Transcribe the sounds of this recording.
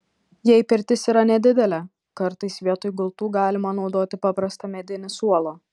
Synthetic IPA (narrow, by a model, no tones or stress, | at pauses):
jɛɪpʲɪɾʲt̪ʲɪsiːɾɐnʲɛd̪ʲɪd̪ʲɛlʲɛ | kɐɾt̪ɐɪsʋʲiɛt̪ʊjɡʊlˠt̪uːɡɑːlʲɪmɐnɒʊd̪oːt̪ʲɪpɑːpɾɐst̪ɐmʲɛd̪ʲɪnʲɪsuɔlˠoː